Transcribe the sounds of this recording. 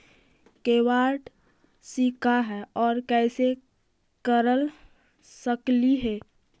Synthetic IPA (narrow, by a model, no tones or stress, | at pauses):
keːwaːʈ | sikaɦɛɔːɾkɛːse | kəɾəl | səkliɦɛː